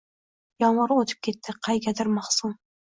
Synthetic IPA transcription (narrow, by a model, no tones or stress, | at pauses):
jɑnˠɑɾwot̪ʰɪ̥p̚kʲʰe̞t̪ːɪqʰɑjɡʲad̪ɪɾmɑχsum